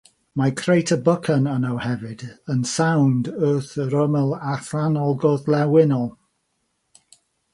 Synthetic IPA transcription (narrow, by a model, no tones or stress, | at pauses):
makʰrejtʰəbəkʰənənəwhɛvɪdənsawndøːθəɾəmɛlˠaθanɔlˠɡɔðlɛwɪnɔlˠ